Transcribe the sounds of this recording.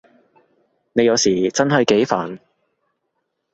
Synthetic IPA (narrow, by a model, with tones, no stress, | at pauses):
ne˨˧jɐ˨˧wsiː˨˩t͡sɐ˥nɦɐ˨jke˨˥jfa̰ː˨˩n